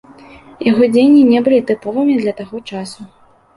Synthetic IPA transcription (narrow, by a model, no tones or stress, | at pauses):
jaɣɔd͡zʲejnʲːinʲɛbɨlʲit̪ɨpɔvɨmʲid̪lʲɐt̪aɣɔt͡ʂasu